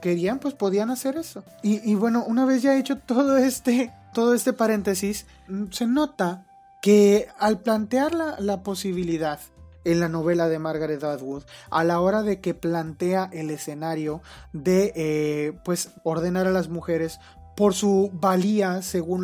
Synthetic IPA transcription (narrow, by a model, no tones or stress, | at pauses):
ke̞ɾianpwe̞spo̞ðianase̞ɾe̞so̞ | iʔːβwe̞no̞ʔunaβ̞e̞sʝaet͡ʃo̞t̪o̞ðoe̞st̪et̪o̞ð̞o̞e̞st̪e̞paɾẽ̞nt̪e̞sis | se̞no̞t̪a | ke̞alplant̪eaɾlalapo̞siβ̞iliðað | enlano̞β̞e̞laðe̞maɾɣaɾet̪aðɣuðalao̞ɾaðe̞ke̞plant̪e̞aʔe̞le̞se̞naɾjo̞ðe̞epwe̞s | o̞ɾðe̞naɾalazmuxe̞ɾe̞s | po̞ɾsuβaliase̞ɣun